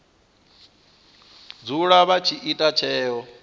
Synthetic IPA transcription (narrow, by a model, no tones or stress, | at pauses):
d͡zuɺaβat͡ʃʰiʔitʼat͡ʃʰɛːɦɔ